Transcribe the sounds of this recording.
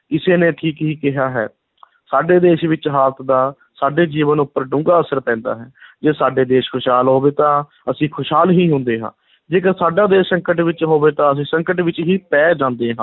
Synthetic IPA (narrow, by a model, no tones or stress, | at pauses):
ɪseːnẽːʈʰiːkɦiːkɪɦaːɦɛ̰ː | saːɖeːd̪eːʃʋɪt͡ʃɦaːlət̪ʰd̪aː | saːɖeːd͡ʒiːʋənʊpːəɾɖʊ̃ŋɡaːəsəɾpɛ̃ːnd̪a̰ːɦɛːd͡ʒeːsaːɖeːd̪eːʃkʰʊʃɦaːlɦoːʋeːt̪ãː | əsĩːkʰʊʃɦaːlɦiːɦʊ̃nd̪eːɦã̰ː | d͡ʒeːkəɾsaːɖaːd̪eːʃsəŋkəʈʋɪt͡ʃɦoːʋeːt̪ãːəs̬ĩːsəŋkəʈʋɪt͡ʃɦiːpɛːd͡ʒãːnd̪eːɦãː